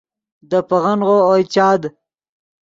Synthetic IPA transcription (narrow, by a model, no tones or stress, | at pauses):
d̪əpaɣanʁoojt͡ʃɑːd̪